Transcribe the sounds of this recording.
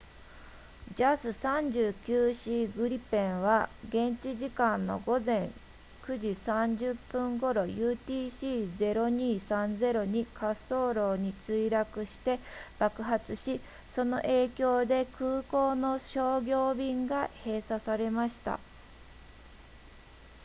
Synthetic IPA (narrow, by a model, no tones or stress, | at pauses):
d͡ʑasɨsãɲd͡ʑɨːkʲɨːɕiːɡɯ̟ɾʲipẽ̞ɰ̃βaɡẽ̞ɲt͡ɕiʑikãnːo̞̰ɡo̞zẽ̞ŋ | kɯ̟ʑisãɲd͡ʑɨpːɯ̃ŋɡo̞ɾo̞jɯːt̪ʲiːɕiːd͡ze̞ɾo̞ɲ̟iːsãnd͡ze̞ɾo̞ɲ̟ikʰaso̞ːɾo̞ːɲ̟it͡sɨiɾakɯ̟ɕi̥t̪e̞b̥akɯ̟ɦat͡sɨɕi | so̞no̞̰ʔe̞ːkʲo̞ːd̪e̞kʰɯːko̞ːno̞ɕo̞ːɡʲo̞ːbʲĩŋɡahe̞ːsasaɾe̞maɕi̥t̪a̰